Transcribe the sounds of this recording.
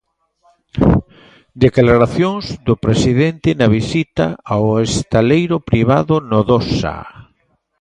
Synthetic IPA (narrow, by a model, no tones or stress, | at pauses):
d̪eklaɾaθjoŋzðʊpɾesiðent̪ɪnɐβ̞isit̪a̰awest̪alejɾʊpɾiβaðʊnoðosa̰